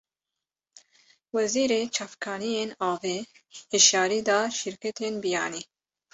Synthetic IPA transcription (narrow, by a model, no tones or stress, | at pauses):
wɛziːɾeːt͡ʃʰɑːfkʰɑːnijeːnɑːveː | heʃɑːɾiːd̪ɑːʃɪɾkɛt̪ʰenbijɑ̰ːniː